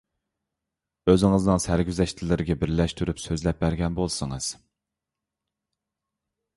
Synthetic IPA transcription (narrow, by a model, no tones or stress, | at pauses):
øzɪŋɨznɨŋsæɾɡʲyzɛʃt̪ʰɪlɪɾɪɡʲɛbɪɾlɛʃt̪ʰyɾypsøzlɛp̚bæɾɡʲɛnbolˠsɨŋɨz̥